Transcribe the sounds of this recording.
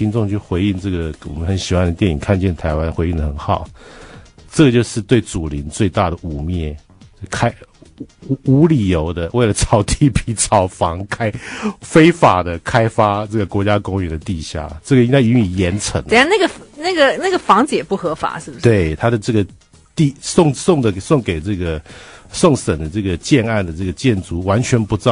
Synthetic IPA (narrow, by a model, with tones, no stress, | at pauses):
i˧˥nʈ͡ʂʊ˥˧ŋt͡ɕʰy˥˩xwe˧˥ɪi˥˧nʈ͡ʂɤ˥˩ɡə˩wɔ̰˨˩mə˦nxə˧˦nɕi˨˩xwa˥˩nd̪ə˩t̪jɛ˥˩ni˨˩ŋkʰa˥˧nt͡ɕjɛ˥˩nt̪ʰa˧˥ɪwa˦nxwe˧˥i˥˩nd̪ə˩xə˩˦nxɑ˨˩˦ʊ | ʈ͡ʂə˥˩ɡə˩t͡ɕjo˥˧ʊʂɻ̩˥˧t̪we˥˩ɪt͡su˨˩li˧˦nt͡swe˥˧ɪt̪a˥˩ɾə˩u˨˩mjɛ˥˩˥ | kʰa˥ɪ˧ | u˧˥li˨˩jo˧˥ʊd̪ə˧we˥˩ɪlə˩t͡sʰɑ˨˩ʊt̪ʰi˥˩pi˨˥t͡sʰɑ˨˩ʊfɑ˧˦˥ŋkʰa˥ɪfe˥ɪfa˨˩d̪ə˦kʰa˥ɪfa˥ʈ͡ʂɤ˥˩ɡə˩kwɔ˧˥t͡ɕja˥kʊ˥ŋɥɛ˨˩nd̪ə˨t̪i˥˧ɕja̰˥˩ʈ͡ʂə˥˩ɡə˩i˥ŋa˥˧ɪy˧˥ŋy˨˩jɛ˧˥nt͡sʰə̰˧˥ŋ˧˥˧na˥˩ɡə˩fna˥˩ɡə˩na˥˩ɡə˩fɑ˧˥ŋt͡sjɛ˨˩pu˥˩xɤ˧˥fa̰˨˩˦ʂɻ̩˥˩bʂt̪we˥˩ɪt̪ʰa˥d̪ə˨ʈ͡ʂɤ˥˩ɡə˩ | t̪i˥˧sʊ˥˧ŋsʊ˥˩ŋd̪ə˩sʊ˥˩ŋke˨˩ɪʈ͡ʂɤ˥˩ɡə˩sʊ˥˩ŋsə˨˩nd̪ə˦t͡sɤ˥˩ɡə˩t͡ɕjɛ˥˧na˥˩nd̪ə˩ʈ͡ʂɤ˥˩ɡə˩t͡ɕjɛ˥˩nt͡su˧˥wa˧˦nt͡ɕʰɥɛ˧˥npu˧˥˨